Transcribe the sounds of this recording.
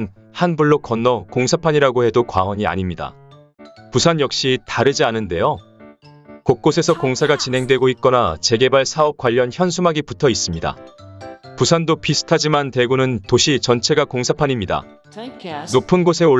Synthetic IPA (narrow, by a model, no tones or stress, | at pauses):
n | hanbuɭːokʌnːʌkoŋsʰapʰaɲiɾaɡohe̞dokwa̰ʌɲia̰ɲimɲida̰ | pusʰanjʌk̚ɕ͈itaɾɯd͡ʑianɯnde̞jo | kok̚k͈osʰe̞sʰʌkoŋsʰaɡat͡ɕinɦe̞ŋdwe̞ɡoit̚k͈ʌnat͡ɕe̞ɡe̞baɭsʰaʌp̚k͈waʎːʌnçjʌnsʰumaɡiputʰʌis͈ɯmɲida̰ | pusʰandopisʰɯ̥tʰad͡ʑimante̞ɡunɯntoɕʰit͡ɕʌnt͡ɕʰe̞ɡakoŋsʰapʰaɲimɲida̰ | nopʰɯnɡosʰe̞o